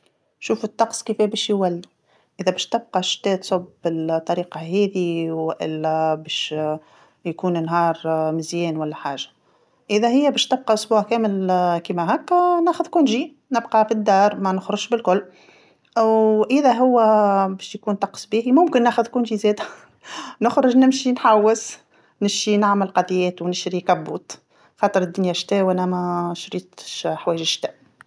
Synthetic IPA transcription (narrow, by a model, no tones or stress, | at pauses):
ʃuːfʊt̪ˤːɑqsˤkifɛbɛːʃjwælːi | ʔɪðɛbɛːʃt̪ɪb̚qɑʃt̪ɛːt̪sˤobbɪlt̪ˤːɑɾiːqɑɦɛːðiwʔɪ̰lːɛbɛːʃ | jkuːnnɦɑːɾˤmɪzjɛːnwælːæħaːʒḁ | ʔɪðæhɪjːæbɛːʃt̪ɪb̚qɑʔʊsbuːʕkæːmɪlkiːmæɦæːkːnæːxʊðkunʒi | nɪbqɑfid̪ːɑːɾˤmɛnʊxɾʊʃbɪlkʊlː | wʔɪðæɦʊwːæbɛːʃjkuːnt̪ɑqsˤbiːhimʊmkɪnːæːxʊðkuːnʒizɛːd̪æ | nʊxɾʊʒnɪmʃinħawːɪs | nɪmʃinaʕməlqɑd̪ˤjɛːt̪wnɪʃɾikæbːuːt̪ | xɑːt̪ˤəɾɪd̪ːʊnjæʃt̪ɛːwʔænæmæʃɾiːt̪ʃħwɛːjʒɪʃt̪ɛːʔ